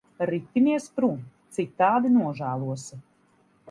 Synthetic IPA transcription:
ɾit̪ʲːiniɛspɾuːnt̪sit̪ːaːd̪inuɔʒæːlˠuɔs

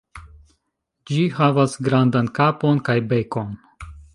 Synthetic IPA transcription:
d͡ʒihavasɡɾandankapo̞nkajbe̞ko̞n

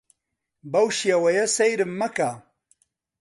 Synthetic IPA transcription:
bɐwʃjɐwɐjɐsɐjɾɨmːɐka

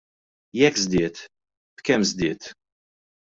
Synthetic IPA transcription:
jɛkːzd̪ɪːt̪ | b̥kɛmzd̪ɪːt̪

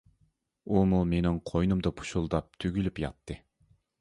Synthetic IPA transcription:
umulˠmenɪŋqʰojnumd̪ɑpʰu̥ʃulˠd̪ɑp̚t̪ʰyɡʲylypjɑ̰t̪ʰːɨ

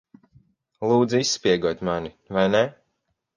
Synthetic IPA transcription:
lˠuːd̪ziisːpʲiɛɡuɔt̪ʲmani | vajnɛ

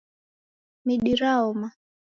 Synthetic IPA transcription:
miɗiɾaɔma

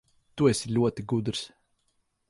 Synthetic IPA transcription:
t̪uɛsilʲuɔt̪iɡud̪ɾs

